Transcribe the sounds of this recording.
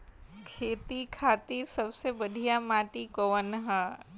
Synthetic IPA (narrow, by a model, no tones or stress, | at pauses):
kʰeːt̪ikʰaːt̪isɐbsebəɖʱijamaːʈikoːənɦɛː